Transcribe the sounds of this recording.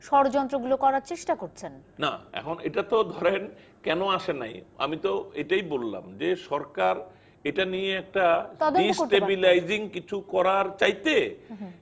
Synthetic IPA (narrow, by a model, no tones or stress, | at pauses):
ʃɔɾd͡ʑɔnt̪ɾoɡulokɔɾaɾt͡ɕeʃʈakoɾt͡ɕʰen | na̰ɛ̰kʰonḛʈat̪od̪ʱɔɾen | kɛnoaʃena̰ja̰mit̪oeʈajbolːa̰md͡ʑeʃɔɾkaɾ | eʈanijeɛk̚ʈat̪ɔdd̪eɖisoʈebilajd͡ʑiŋkit͡ɕʰukɔɾaɾt͡ɕajt̪e